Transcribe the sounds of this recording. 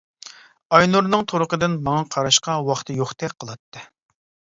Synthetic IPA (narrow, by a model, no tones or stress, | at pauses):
ɑjnuɾnɨŋt̪ʰoɾʊqəd̪ɪnmɑŋɑqʰɑɾɑʃqɑwɑχt̪ʰɨjoχt̪ʰɛk̚ʲqʰəlˠɑt̪ːɨ